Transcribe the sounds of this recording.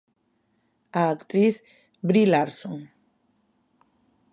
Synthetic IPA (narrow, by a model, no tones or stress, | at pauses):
aːkt̪ɾiθ | bɾilaɾsoŋ